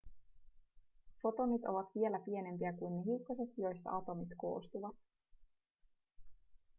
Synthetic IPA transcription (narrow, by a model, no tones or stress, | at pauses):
fo̞t̪onyt̪o̞ʋɑt̪ʋie̞læpie̞ne̞mpiækujnːeɦiukːɑse̞t̪jo̞jst̪ɑ̰ɑt̪o̞mit̪ko̞̰ːst̪uʋɑt̪